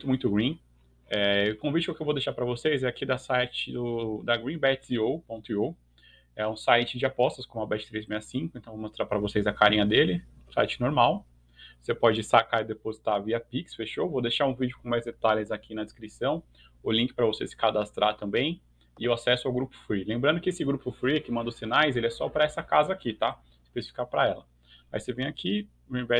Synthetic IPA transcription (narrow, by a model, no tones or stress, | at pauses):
t̪ʊmũj̃t̪ʊɡɾĩ | ɛkõvit͡ʃɪkokɪewvowd̪eʃaɾpɾɐvosejzɛakid̪ɐsajt͡ʃɪd̪ʊd̪ɐɡɾĩbɛt͡ʃiopõnt̪ʊio | ɛũsajt͡ʃɪd͡ʒɪapɔst̪ɐskõmʊ̃ɐbɛt͡ʃɪ̥t̪ɾejzmejɐsĩŋkʊẽt̪ɐ̃w̃vomost̪ɾaɾpɾɐvosejzɐkaɾĩɲɐd̪elɪũsa̰jt͡ʃɪ̥noɾmaw | osepɔd͡ʒɪsakaɾid̪epozit̪aviɐpiksfeʃovod̪eʃaɾũvid͡ʒʊkõmajzd̪et̪alɪzakʰinɐd͡ʒɪskɾisɐ̃w̃ | ʊlĩŋkɪ̥pɾɐvosesɪ̥kad̪ast̪ɾaɾt̪ɐ̃mbẽj̃ | ɪewasɛsʊawɡɾupʊ̥fɾilẽmbɾɐ̃nd̪ʊkɪesɪɡɾupʊfɾikɪmɐ̃nd̪osinajzelɪɛsɔpɾɐɛsɐkazɐakit̪a | ɪ̥spesi̥fi̥kapɾɐɛlɐ | a̰isevẽj̃akʰi | ʊĩvɛ